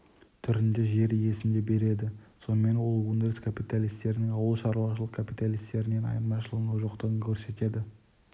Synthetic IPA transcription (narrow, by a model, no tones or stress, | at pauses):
t̪ʰʏɾɪnd̪e̞ʒe̞ɾje̞sɪnd̪e̞be̞ɾe̞d̪ɪso̞nəme̞nwo̞lˠund̪eskʰapijt̪alʲijst̪e̞ɾɪnɪŋɑwəlˠʃɑɾuwɑʃəlˠəqkʰapijt̪alijst̪e̞ɾɪne̞nɑ̰jmɑʃəlˠənuʒoqt̪əʁəŋkʲʰɵɾse̞t̪e̞d̪ɪ